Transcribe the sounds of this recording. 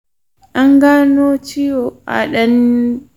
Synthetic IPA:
ʔa˦ŋɡaː˦noː˦t͡ʃɪ˦jo˨ʔa̰˨ɗɐ˦n

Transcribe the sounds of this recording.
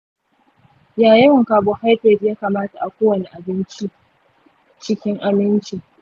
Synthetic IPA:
jaː˨jɪ˦˨ŋkaː˨bo˨ha˦jɸɛː˨djaː˦kaː˨maː˦ta˨ʔa˨kʷoː˦wɐ˨ne˨ʔa˨bɪ˦nt͡ʃi˦ | t͡ʃɪ˦kʲɪ˦ŋʔa˨mɪ˦nt͡ʃi˦

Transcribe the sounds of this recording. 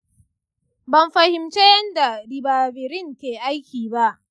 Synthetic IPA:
bɐ˨mɸɐ˨hɪ˨mt͡ʃe˦jɐ˦nda˨dɪ˨baː˨bɪ˨ɾɪ˦ŋkʲeː˨ʔa˦jkʲiː˨ba˦ʔ

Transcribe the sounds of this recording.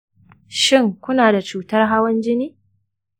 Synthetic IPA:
ʃɪ˦ŋkʷʊ˦naː˨da˨t͡ʃuː˦tɐ˦rɦa˦wɐ˦nd͡ʒɪ˦niː˦

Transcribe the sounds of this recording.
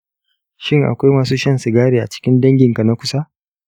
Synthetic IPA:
ʃɪ˦ŋʔa̰˨kʷa˦jmaː˨suː˦ʃɐ˦nsɪ˨ɡaː˦ɽeː˨ʔa̰˨t͡ʃɪ̥˦kʲɪ˦ndɐ˦ŋɡʲɪ˨ŋka˨na˦kʷʊ˦sa˦

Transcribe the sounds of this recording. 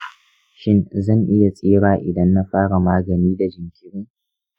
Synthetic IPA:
ʃɪ˦nzɐ˦˨ŋʔɪ˦ja˨sʼeː˦ɽaː˨ʔɪ˨dɐ˦nːa˦ɸaː˦ɽa˨maː˦ɡɐ˨niː˦da˨d͡ʒɪ˨ŋkʲɪ˦ɾɪ˦ŋ

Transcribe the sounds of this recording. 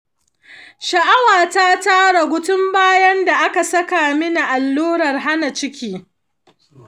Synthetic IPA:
ʃɐ˨ʔa˦waː˨ta˦taː˦ɽa˨ɡʷʊ˦tʊ˦mbaː˦jɐ˦nda˨ʔa˦ka˨sɐ˦ka˨mɪ˦na˨ʔa˨lːuː˦ɽɐ˨rɦa˦na˨t͡ʃɪ˦kʲiː˦

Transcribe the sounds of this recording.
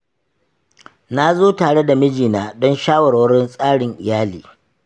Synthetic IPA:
na˦zoː˦taː˨ɽe˦da˨mɪ˦d͡ʒiː˨naː˦dɔ˦nʃaː˦wɐ˨rwɐ˦ɽɪ˦nsʼaː˦ɽɪ˨ŋʔɪ˨jaː˦liː˨

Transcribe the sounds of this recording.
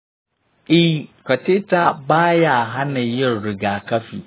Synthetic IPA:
ʔi˦kɐ˨te˦ta˦baː˦ja˨ɦa˦na˨jɪ˦˨nɾɪ˨ɡaː˨kɐ˦ɸḭː˨

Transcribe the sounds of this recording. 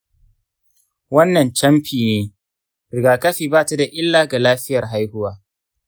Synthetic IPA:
wɐ˦nːɐ˨nt͡ʃɐ˦mɸiː˨neː˦ | ɾɪ˨ɡaː˨kɐ˦ɸiː˨baː˦ta˦da˨ʔɪ˦lːaː˨ɡa˨laː˦ɸɪ˦jɐ˨rɦa˦jhʊ˦waː˦

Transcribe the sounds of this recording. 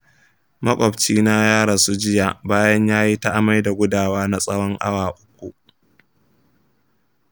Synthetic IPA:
mɐ˦kʷʼɔ˨bt͡ʃiː˦na˦jaː˦ɽa˨su˦d͡ʒɪ˦ja˨baː˦jɐ˦ɲjaː˦ji˦ta˦ʔa˦ma˦jda˨ɡʷʊ˦daː˨waː˦na˦sʼɐ˦wɔ˦ŋʔa̰˦waː˨ʔʊ˦kʷːu˨ʔ

